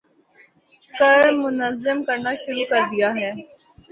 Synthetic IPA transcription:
kɐɾmʊnəzːəmkɐɾnaʃʊɾuːkɐɾd̪ijaɦɛː

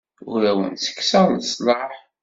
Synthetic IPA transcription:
ʊɾæwə̰nsə̥kːsəɾˤlsˤlɑħ

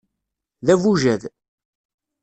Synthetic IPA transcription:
ðævuʒæð

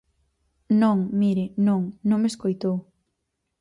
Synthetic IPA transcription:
nõŋmiɾɪnõŋnõŋmeskojt̪ow

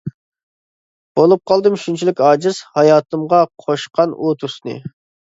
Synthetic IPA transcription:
b̥olˠup̚qɑlˠd̪ɨmʃunt͡ʃʰilɪkʲɑːd͡ʒɨz̥hɑjɑːt̪ɨmʁɑqʰoʃqɑnot̪ʰusnɨ̰

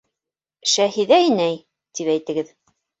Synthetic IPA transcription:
ʃæhiðæɘnæj | t̪ipæjt̪ɘ̆ɡɘð

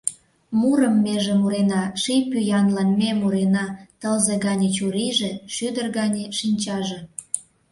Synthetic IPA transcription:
muɾəmːeʒĕmuɾenɑʃijpyjɑnlɑnmemuɾenɑt̪əlzeɣɑnʲet͡ɕuɾiʒeʃyd̪ərɣɑnʲeʃinʲt͡ɕɑʒĕ

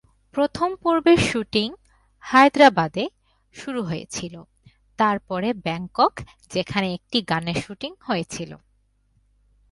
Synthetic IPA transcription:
pɾot̪ʰompoɾbeɾʃuʈiŋ | hajd̪ɾabad̪e | ʃuɾuɦojḛt͡ɕʰilo | t̪aɾpɔɾebɛŋkok | d͡ʑekʰaneek̚ʈiɡaneɾʃuʈiŋhojet͡ɕʰilo̰

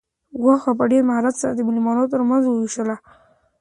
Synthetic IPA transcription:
ɣwɑxapəɖeɾmahɾat̪səɾad̪əmʊlimɑnot̪əɾmanzwəwiʃtəla

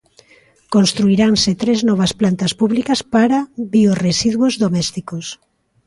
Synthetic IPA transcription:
konst̪ɾuiɾaŋset̪ɾeznɔβ̞ɐsplant̪ɐspuβlikɐspaɾaβioresiðwozðomɛst̪ikos

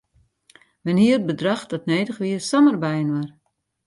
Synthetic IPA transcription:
ʋɛnɦiərd̚bədraxd̥ɔtneːdəxʋiəsɔmərbɛjənwar

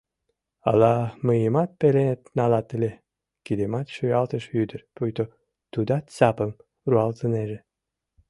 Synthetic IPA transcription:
ɑ̰lɑməjəmɑt̪̚pelenet̪nɑlɑt̪əlʲe | kid̪emɑt̪ʃyjɑlt̪əʃyd̪ərpujt̪o | t̪ud̪ɑt̪t͡sɑpəm | ruɑlt̪əneʒe

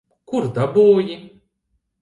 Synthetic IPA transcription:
kuɾd̪abuːji

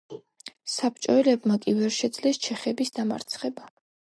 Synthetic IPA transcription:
sap̚ʰt͡ʃʼɔɛlɛbmakʼivɛɾʃɛd̪zlɛst͡ʃʰɛχɛbisd̪ama̰ɾt̪sʰχɛba

